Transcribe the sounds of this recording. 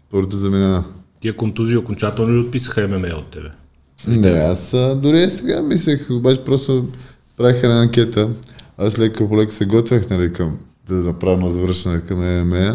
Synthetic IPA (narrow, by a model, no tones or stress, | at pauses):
spoɾot̪ozɐminanɐt̪iɛkomt̪uziokont͡ʃat̪əlˠnoliot̪̚pisə̥xəɛmɛmɛjo̰t̪ːɛbɛ | nɛasəd̪ʊɾiɛsɛɡamis̬lɛxobat͡ʃɛ̥pɾɔst̪o | pɾavixɛnaːŋkʲɛt̪əaslɛkəpolɛksɛɡɔt̪vʲjəxnɐlikɐm | d̪ɐzɐpɾavnozvɾəʃt̪ɐnɛkɐmɛmɛmɛə